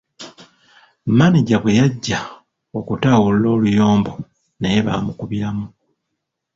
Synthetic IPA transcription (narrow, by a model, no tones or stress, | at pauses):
maniɟaβwe̞jaɟːa | o̞kutaːwullo̞ːlujo̞ːmbo̞ | neje̞βaːmukuβiɾamu